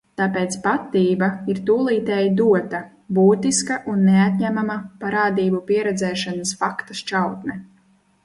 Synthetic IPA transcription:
t̪aːpeːt̪spat̪ːiːbaiɾt̪uːlˠiːt̪ɛːjd̪uɔt̪ɐ | buːt̪iskaʔunːeat̪̚ʲɲæmamapaɾaːd̪iːbupiɛɾɛd̪zɛːʃanasfakt̪ɐst͡ʃawt̪nɛ

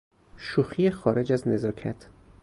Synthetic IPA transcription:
ʃuxijexɒːɾed͡ʒæzne̞zɒːkʰæ̰t̪ʰ

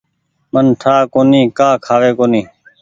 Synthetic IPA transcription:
mənʈʰaːkoːnĩːkaːkʰaːʋeːkoːniː

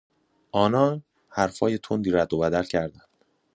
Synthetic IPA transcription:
ʔɒːnɒːn | hæɾfɒːje̞t̪ʰond̪iːɾæd̪ːo̞bæd̪ælcʰæɾd̪ænd̪̥

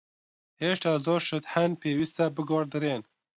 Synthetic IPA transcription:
heːʃt̪ɑːzoːɾʃɨt̪hɛnpʰeːwiːst̪ɛbɨɡoːɾd̪ɨɾeːn

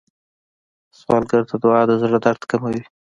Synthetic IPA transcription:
swɑ̰lɡəɾt̪ʰad̪ʊɑd̪əzɽad̪aɾt̪kamawi

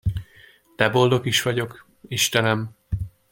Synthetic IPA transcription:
t̪ɛbo̞ld̪o̞kiʃʋɒɟo̞k | iʃt̪ɛnɛm

